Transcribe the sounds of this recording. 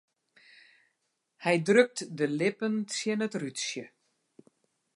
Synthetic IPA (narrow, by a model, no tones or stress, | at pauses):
hɛjdrøk̚tdəlɪpənsjənətrytsjə